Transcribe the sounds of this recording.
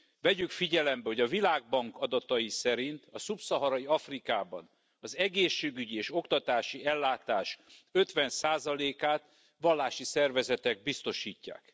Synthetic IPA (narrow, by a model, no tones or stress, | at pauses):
vɛɟykfiɟɛlɛmbɛɦo̞ɟɒvilaːɡ̚bɒŋkɒd̪ɒt̪ɒjisɛɾint̪ɒsupsɒɦɒɾɒjiɒfrikaːbɒ̰n | ɒzɛɡeːʃːeːɡyɟieːʃo̞kt̪ɒt̪aːʃiɛlːaːt̪aːʃø̞t̪ʋɛnsaːzɒleːkaːt̪ | ʋɒlːaːʃisɛrvɛzɛt̪ɛɡbist̪o̞ʃiːcːa̰ːk